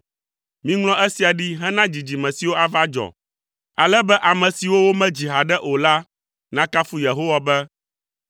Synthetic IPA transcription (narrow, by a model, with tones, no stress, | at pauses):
mĩ˦ŋlɔ̃˦ʔɛ˦si˨a˨ɖi˦ɦɛ˦nã˦d͡ʑi˨d͡ʑi˨mɛ̃˨si˨wo˦a˨va˦d͡ʒɔ̰˨ | a˨lɛ˦bɛ˦ʔa˨mɛ̃˨si˨wo˦wo˦mɛ̃˦d͡ʑi˨ɦa˨ɖɛ˦ʔo˨la˦ | nã˦ka˦fu˦je˨ɦo˦wa˨bɛ˦